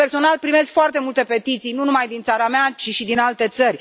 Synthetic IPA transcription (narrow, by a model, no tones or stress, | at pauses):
erso̞nalpɾime̞skfoart̪e̞mult̪e̞pe̞t̪it̪sijnunumajd̪int̪saɾameat͡ʃiʃid̪inalt̪e̞t̪sərʲ